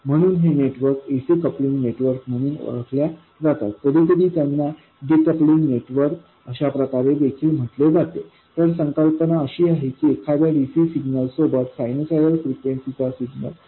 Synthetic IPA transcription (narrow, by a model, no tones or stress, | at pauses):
m̤əɽ̃uːnɦeneʈʋəɾkesikəpliŋɡneʈʋəɾk̚m̤əɽ̃uːno̰ɭəkʰlja | d͡zat̪a̰t̪̚ːəd̪ʱiːt̪̬əɾiːt̪janːa | ɖikəpliŋɡneʈʋəɾk | əɕapɾəkaɾed̪ekʰiːlm̤əʈled͡zat̪e | t̪əɾsəŋkəlpənaəɕiːaɦekiːekʰaʋjaɖisiːsiɡnəlsobat̪sajnosajɾəlfɾikʋensit͡sasiɡnə̰l